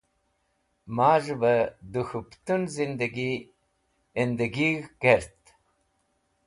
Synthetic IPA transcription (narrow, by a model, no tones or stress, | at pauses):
maːʐbad̪uxupt̪unzind̪aɡi | end̪aɡiɣɡeɾt̪